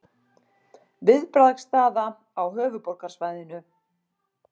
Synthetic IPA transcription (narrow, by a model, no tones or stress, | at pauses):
vɪðpɾaðkst̪aːða | awɦœːvʏpol̥kaɾ̥svajðɪnʏ